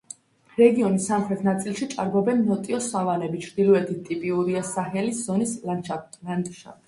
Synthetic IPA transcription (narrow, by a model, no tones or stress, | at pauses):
ɾɛɡiɔnisːamχɾɛt̪ʰnat̪sʼilˠʃit͡ʃʼaɾbɔbɛnːɔt̪ʼiɔsavanɛbit͡ʃʰɾd̪ilɔɛt̪ʰit̪̚t̪ʼipʼiuɾiasaɦɛliszɔnislant̪ʼʃa̰p